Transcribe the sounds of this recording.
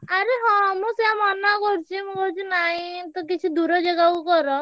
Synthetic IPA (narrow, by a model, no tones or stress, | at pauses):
aɾeɦɔnũseamɔnakɔɾt͡ʃʰimũkɔɾt͡ʃʰinaɦĩt̪ɔkit͡ʃʰid̪uɾɔd͡ʒeɡaukɔɾɔ